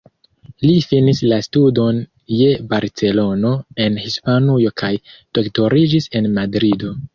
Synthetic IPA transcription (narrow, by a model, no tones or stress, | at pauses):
lifinislastudo̞n | je̞baɾt͡se̞lo̞no̞e̞nhispanujo̞kʰajd̥o̞kto̞ɾid͡ʒise̞nmadɾido̞